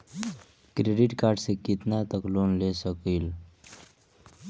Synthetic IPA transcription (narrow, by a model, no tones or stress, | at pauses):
kɾeɖiʈkaɾɖsekit̪nat̪əklonlesəkil